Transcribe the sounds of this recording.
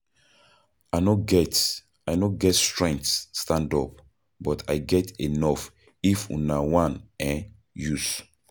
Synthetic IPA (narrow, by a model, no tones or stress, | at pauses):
aɪnoɡɛt | ajnoɡɛtstɹɛ̃ŋk̚tsːtãndɔp | bɔtʰa̰jɡɛtenɔf | ifṵ̃nawãnɛ̃ | jus